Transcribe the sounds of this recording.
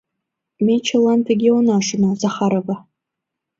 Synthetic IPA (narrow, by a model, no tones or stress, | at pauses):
mejt͡ʃʰalantʰaɡʲiwnaʂɨnazaχaɾaba